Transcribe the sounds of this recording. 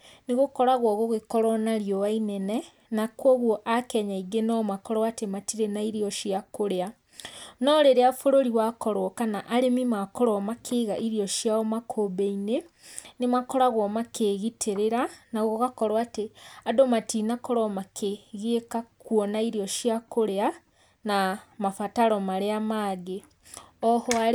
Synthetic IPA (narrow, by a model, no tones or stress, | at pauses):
neɣokɔɾaɣwɔɣoɣekɔɾɔnaɾjɔwainɛnɛ | nakwɔɣwɔʔakɛɲaiɡenɔmakɔɾwatematiɾenaiɾiɔʃiakoɾea | nɔɾeɾeafoɾoɾiwakɔɾwɔkanaʔaɾemimakɔɾɔmakʰeɣaʔiɾjɔʃjaɔmakʰobeine | nemakɔɾaɣwɔmakʰeɣitʰeɾeɾanaɣoɣakɔɾwateadomatinakɔɾɔmakʰeɣekakwɔnaiɾiɔʃjakoɾea | namafataɾɔmaɾeamaɡe | ɔhɔa